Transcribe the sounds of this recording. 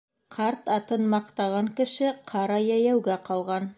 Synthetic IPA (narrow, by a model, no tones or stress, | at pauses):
qʰɑɾt̪ɑt̪ɤnmɑqt̪ɑʁɑŋkɘ̆ʃɘqʰɑɾɑjæjæwɡæqɑlˠʁɑn